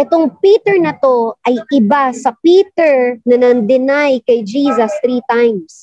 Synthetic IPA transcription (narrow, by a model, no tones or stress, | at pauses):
ʔɛt̪oŋpiːt̪ɛɹnɐt̪o̞ʔɐjʔɪbasɐpiːt̪ɛɹnɐnɐnd̪ɪnajkɐjd͡ʒiːsɐst̪ɾit̪ajms